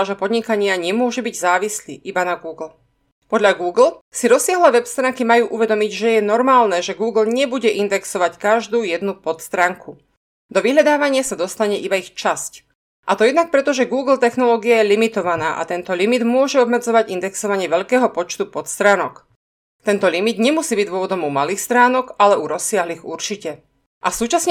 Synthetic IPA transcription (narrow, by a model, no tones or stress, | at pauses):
ʒɛpɔd̪ɲikaɲɪaɲɛmʊɔʒɛbiɟzaːʋislḭːʔibanaɡuːɡl̩ | pɔd̪ʎaɡuːɡl̩siɾɔsːɪaɦlɛːʋɛpst̪ɾaːŋkimajuːʔuʋɛd̪ɔmiɟʒɛjɛnɔɾmaːlnɛːʒɛɡuːɡl̩ɲɛbuɟɛʔind̪ɛksɔʋackaʒd̪uːjɛd̪nupɔt̪st̪ɾaːŋkʰu | d̪ɔʋiɦʎad̪aːʋaɲɪasad̪ɔst̪aɲɛʔibaixt͡ʃasc | ʔat̪ɔjɛd̪nak̚pɾɛt̪ɔʒɛɡuːɡl̩t̪ɛxnɔlɔːɡiajɛlimit̪ɔʋanaːʔa̰t̪ɛnt̪ɔlimid̪mʊɔʒɛɔbmɛd͡zɔʋaɟind̪ɛksɔʋaɲɪɛʋɛʎkɛːɦɔpɔt͡ʃt̪upɔt̪st̪ɾaːnɔ̰k | t̪ɛnt̪ɔlimid̪ɲɛmusiːbiɟd̪ʋʊɔʋɔd̪ɔmumaliːxst̪ɾaːnɔkalɛʔuɾɔsɪaɦliːɣuɾt͡ʃicɛ | ʔasuːt͡ʃasɲ